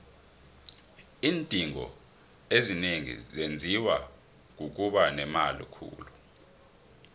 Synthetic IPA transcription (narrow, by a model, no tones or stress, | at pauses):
iːntʼiŋɔ̰ | ezineŋḭzend͡zʱiwa | k̬uk̬ʼuɓanɛmalḭkʰṵːlu